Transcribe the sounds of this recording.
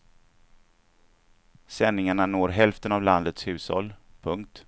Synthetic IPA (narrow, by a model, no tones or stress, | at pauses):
sɛnːɪŋaɳanoːɾɦɛlft̪ənavland̪ət̪shʉ̟ːshɔ̰lːpʰɵŋk̚t̪